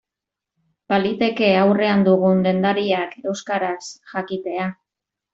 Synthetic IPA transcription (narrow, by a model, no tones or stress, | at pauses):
palit̪e̞ke̞awre̞and̪uɣ̞und̪e̞nd̪aɾiake̞wskaɾasʝakit̪e̞a